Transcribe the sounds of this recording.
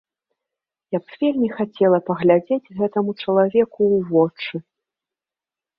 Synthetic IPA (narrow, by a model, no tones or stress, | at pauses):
japvʲelʲmʲixat͡sʲɛlˠɐpɐɣlʲad͡zʲed͡zʲɣɛt̪ɐmut͡ʂɐlˠavʲɛkuwvɔt͡ʂɨ